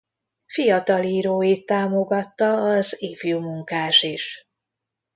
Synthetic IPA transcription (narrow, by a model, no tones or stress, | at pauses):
fijɒt̪ɒliːɾoːjit̪ːaːmo̞ɡɒt̪ːɒːzeːfjuːmuŋkaːʃiʃ